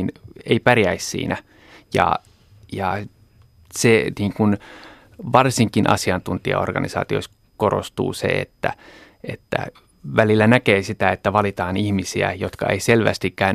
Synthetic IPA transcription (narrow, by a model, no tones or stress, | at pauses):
neipærjæissḭːnʔæ | jɑ̰ | jɑ | seniːŋkun | ʋɑrsiŋkinʔɑ̰siɑnt̪unt̪iɑ̰orɡ̥ɑnisɑ̰ːt̪ios | korost̪ṵːsḛḛt̪ːæ | et̪ːæ̰ | ʋælilːænækeːsit̪æet̪ːæʋɑlit̪ɑːnihmisiæ̰jot̪kɑeiselʋæ̰st̪ikːæyn